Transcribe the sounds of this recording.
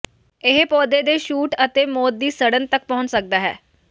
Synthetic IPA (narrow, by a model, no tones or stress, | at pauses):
ɪɦpɔːd̪eːd̪eːʃuːʈət̪eːmoːt̪̚d̪iːsəɽənt̪ək̚pəɦʊ̃nt͡ʃsək̚d̪aːɦɛ̰ː